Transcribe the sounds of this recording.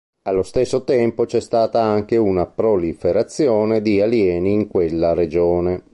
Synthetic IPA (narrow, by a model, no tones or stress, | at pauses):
alːost̪esːot̪ɛmpot͡ʃɛst̪aːt̪aaŋk̟eunapɾolifeɾat̪sːjɔːned̪ialjɛːniːŋkwelːaɾed͡ʒɔːne